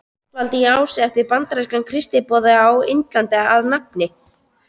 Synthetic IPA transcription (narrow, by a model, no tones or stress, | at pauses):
t̪valt̪ɪiiaːwsɛɛft̪ɪɾpant̪ɾaskankʰɾɪst̪ɪpɔːðɪawḛnt̪lant̪ɛaðnap̚nɪ